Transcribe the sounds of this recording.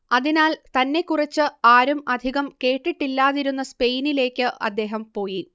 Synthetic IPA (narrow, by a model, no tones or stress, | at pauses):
ɐðinaːlt̪ɐnːe̞kːurɐt͡ɕːɨaːɾumɐd̪ʱiɣɐmke̞ːʈːiʈːilːaːðiɾunːɐspe̞jnile̞ːkʲːɨʔɐ̰d̪ːe̞ːɦɐmpo̞ːji